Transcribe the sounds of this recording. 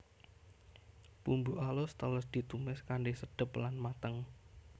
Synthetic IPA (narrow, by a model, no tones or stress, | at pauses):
pumbuʔalʊst̪ələsd̪̥i̤t̪umɛskaɳɖesəɖ̥ə̤planmat̪əŋ